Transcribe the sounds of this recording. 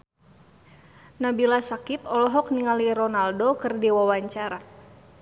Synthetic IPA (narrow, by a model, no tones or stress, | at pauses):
nabilasakip̚ɔlɔɦɔk̚niŋaliɾɔnaldokɨrdiwawaɲt͡ʃaɾa